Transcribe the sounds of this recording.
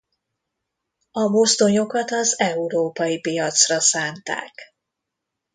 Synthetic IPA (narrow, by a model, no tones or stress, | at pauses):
ɒmost̪o̞ɲo̞kɒt̪ɒzɛuɾoːpɒjipijɒt̪srɒsaːnt̪a̰ːk